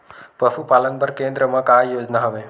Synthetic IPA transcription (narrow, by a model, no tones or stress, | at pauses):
pəfupalənbəɾkẽnd̪ɾəmə̃kajoːd͡ʒnaɦəʋe